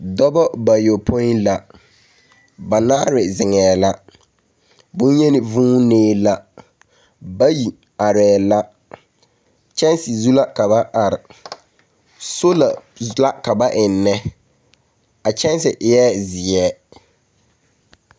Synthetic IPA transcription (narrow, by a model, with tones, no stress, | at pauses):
dɔ˦bɔ˦ba˨jo˨pʰo˦ɪ˦nla˦ | ba˨naː˦ɾɪ˨zɪ˨ŋɛː˨la˦ | bʊ˦n˦ɲɛ˦nɪ˨vũː˦neː˦la˦ | ba˦ji˨ | a˨ɾɛː˨la˦ | t͡ʃɛ˦nsɪ˨zu˦la˦ka˨ba˦ʔa˨ɾɪ˨ | so˦la˨˦ | la˦ka˨ba˦ʔɪ˨nːɛ˦ | a˨t͡ʃɛ˦nsɪ˨ʔjɛː˦zɪ˨ɛː˦